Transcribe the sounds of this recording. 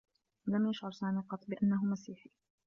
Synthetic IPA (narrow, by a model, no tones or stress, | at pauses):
lamjaʃʕʊɾˤsaːmiːqɑt̪ˤːbɪʔanːaɦʊmasiːħiː